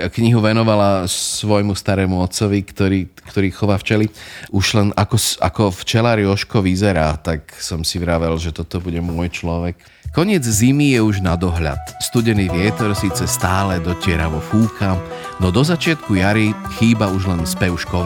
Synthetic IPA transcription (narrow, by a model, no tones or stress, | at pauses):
kɲiɦuʋɛnɔʋalasʋɔjmust̪aɾɛːmuɔt͡sɔʋikt̪ɔɾiːkt̪ɔɾiːxɔʋaːft͡ʃɛliuʒlɛnakɔsa̰kɔft͡ʃɛlaɾiɔʃkɔʋizɛɾaːt̪aksɔmsiʋɾaʋɛlʒɛt̪ɔt̪ɔbuɟɛmʊɔjt͡ʃlɔʋɛk | kːɔɲɪɛd͡zzimijɛuʒnad̪ɔɦʎa̰t̪st̪uɟɛniːʋɪɛt̪ɔɾsiːt͡sɛst̪aːlɛd̪ɔcɪɛɾaʋɔfuːkʰanɔd̪ɔzat͡ʃɪat̪kujaɾixiːbauʒlɛnspɛʊʃkɔ